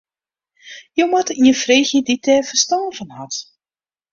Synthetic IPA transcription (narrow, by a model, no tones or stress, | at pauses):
jowmatiənfreːxjəditʰɛːfəstɔːvənhat